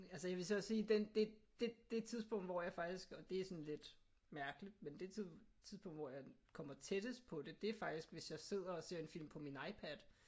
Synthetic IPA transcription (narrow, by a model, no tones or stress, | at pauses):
ælsəjɑ̈ʋe̝sɒɒsiːd̥end̥e̝d̥e̝d̥e̝t͡sʰiðˠsb̥ɔ̽ŋ̰d̥ʋɒjɑ̈ɪfɑ̈ɡ̥d̥isɡ̥ɒ̽d̥e̝æɐsɒ̽nle̝d̥ | mæɐɡ̥əlid̥̚mend̥e̝t͡sʰit͡sʰiðˠsb̥ɔ̽ŋ̰d̥ʋɒjɑ̈ɪkʰɒ̽m̰ɐt͡sʰed̥əsd̥̚pʰɒ̽d̥e̝d̥e̝æɐfɑ̈ɡ̥d̥isɡ̥ʋe̝sjɑ̈ɪse̝ð̞̰ˠɐɒ̽se̝ɐe̝nfil̰mpʰɒ̽minɑ̈ɪpʰæd̥